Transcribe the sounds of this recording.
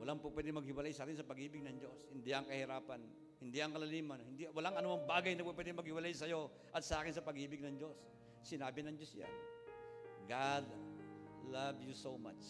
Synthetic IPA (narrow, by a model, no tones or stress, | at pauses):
wɐlaŋpʊpwɛd̪ɪŋmɐɡ̚hɪwɐlajsaːkɪnsɐpɐɡʔiːbɪɡ̚nɐŋd͡ʒo̞shɪnd̪ɪʔɐŋkɐhɪɾaːpan | hɪnd̪ɪʔɐŋkɐlɐliːmanhɪnd̪ɪwɐlaŋɐnʊʔɐŋbaːɡajnɐpup̬wɛd̪ɪŋmɐɡ̚hɪwɐlajsɐjo | ʔɐt̪̚sɐʔaːkɪnsɐpɐɡʔiːbɪɡ̚nɐŋd͡ʒo̞s | sɪnaːbɪnɐŋd͡ʒosja̰n | ɡad̪ | lavjusoma̰t͡ʃ